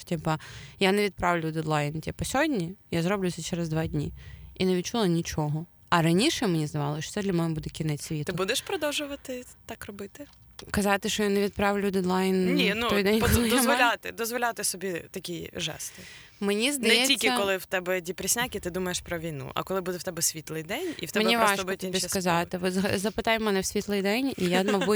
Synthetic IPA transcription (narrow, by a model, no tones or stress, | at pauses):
tʲipɐjaneʋʲid̪̚pɾɑʋlʲʊd̪ɛd̪lˠɑjntʲipɐsʲɔɦɔdʲnʲijazɾɔblʲʊsʲɐt͡ʃɛɾɛzd̪ʋɑdʲnʲḭineʋʲid̪̥̚t͡ʃulˠɐnʲit͡ʃɔɦɔ | ɐɾɐnʲiʃɛmenʲizd̪ɐʋɑlˠɐsʲt͡ʃɔ̥t̪sɛd̪lʲɐmɛnbud̪ɛkʲinɛt͡sʲsʲʋʲit̪ɪbud̪ɛʃpɾɔd̪ɔwʒʊʋɐt̪ɪt̪ɑkrɔbɪt̪ɪ | kɐzɑt̪ɪʃt͡ʃɔjaneʋʲid̪̚pɾɑʋlʲud̪ɛd̪lˠɑjnnʲinut̪ɔjd̪ɛnʲjamɔlʲat̪ɪd̪ɔzʋɔlʲat̪ɪsɔbʲit̪ɐkʲiʒɛ̰st̪ɪ | menʲizd̪nɐɛteilʲkʲɪɐkɔlˠɪwt̪ɛbɛdʲipɾɪsʲnʲakʲɪt̪ɪd̪umɐjeʃpɾɔʋʲijnṵʔɐ̰kɔlˠɪbud̪ɛwt̪ɛbɛsʲʋʲit̪lˠɪjd̪ɛnʲḭwt̪ɛmnʲiʋɑʃp̪ɔt̪ʲibʲiskɐzɑt̪ɪʋɪɦzɐpɪt̪ɑjʊmɛnɛwsʲʋʲit̪lˠɪjd̪ɛnʲijamɐbu